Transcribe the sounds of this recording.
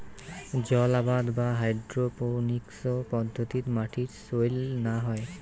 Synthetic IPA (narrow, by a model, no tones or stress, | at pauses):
d͡ʒɔlabad̪baɦajɖdɹoponiksɔpɔd̪ʱːot̪it̪maʈʰitsojlnaɦɔj